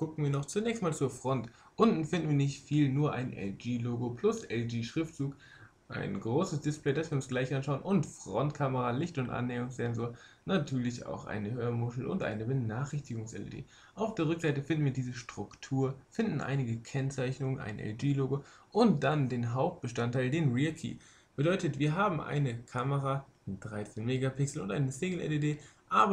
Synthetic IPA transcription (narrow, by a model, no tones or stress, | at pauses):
ɡ̥ʊkn̩viːɐnɔχt͡sunɛːçstmaːlt͡suːɐfʁ̥ɔnt | ʔʊndn̩fɪndn̩viːɐnɪçtfiːlnuːɐʔa̰ɪnʔɛ̰ld͡ʒiːloːɡopʰl̥ʊsʔɛld͡ʒiːʃʁ̥ɪftz̥uːk | ʔa̰ɪnɡʁoːsəsd̥ɪsplɛɪdasv̥iːɐʊnsɡ̥laɪçʔanʃaʊənʔʊntfʁ̥ɔntkʰaməʁalɪçtʊntʔa̰nːɛːʊŋsz̥ɛnzoːɐ | natʰyːɐlɪça̰ʊxʔa̰ɪnəhøːɐmʊʃl̩ʔʊ̰ntʔa̰ɪnəbənaːχɪçtɪɡʊŋsʔɛ̰lə̰dḭː | ʔaʊfd̥eːɐʁʏkz̥aɪtəfɪndn̩viːɐdiːzəʃtʁ̥ʊktʰuːɐfɪndn̩ʔa̰ɪnɪɡəkʰɛnt͡saɪçnʊŋənʔa̰ɪnə̰ʔɛ̰ld͡ʒiːloːɡo | ʔʊnt̚d̥andeːnɦaʊp̚t̚b̥əʃtantʰaɪldeːnʁiɐkʰḭː | b̥ədɔʏtətv̥iːɐɦaːbm̩ʔa̰ɪnəkʰaməʁaː | d̥ʁaɪt͡sɛnmeːɡapɪksl̩ʊntʔa̰ɪnəseːɡl̩ʔɛ̰ledeːʔaːbɐ